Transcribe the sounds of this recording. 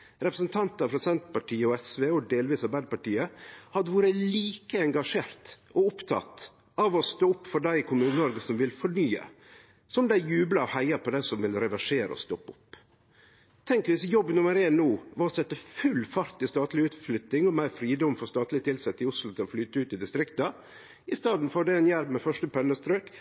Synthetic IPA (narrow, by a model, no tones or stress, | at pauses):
ɾɛpɾəsnt̪ʰɑnt̪əɑfɾɑsɛnt̪pɑʈʰiːəɔɛsʋeːɔd̪eːlʋiːsɑɾbæɪd̪pɑʈiːəhɑd̪ːəʋuːɾəliːkəɛŋɡɑʂeːɾt̪ɔʊpt̪ʰɑ̰t̪ | ɑʋɔst̪oːʊpːfɔɖæɪɪkʰʊmʉːnəɔɾɡəsɔmʋɪlfɔɳyːə̰ | sɔmd̪æɪjʉːblɑɔhæɪɑpɔd̪æɪsɔmʋɪlɾɛʋæʂeːɾə̰ɔ̰st̪ɔpːʊpː | t̪ʰɛŋkʋɪsjɔbːnʊməɾeːnnuːʋɑsɛt̪ːəfʉlːfɑɾt̪ɪst̪ɑːt̪lɪʉːt̪flʏt̪nɪŋɔmæɪɾfɾiːd̪ɔmfɔɾst̪ɑːt̪lɪt̪ʰɪlsɛt̪ːɪʊslʊt̪ʰɪlɔflyːt̪əʉːt̪ɪd̪ɪst̪ɾɪkt̪ə | ɪst̪ɑːd̪n̩fɔɖ̪ɛɛnjæɾbmɛfœʂʈəpʰɛnːəst̪ɾøːk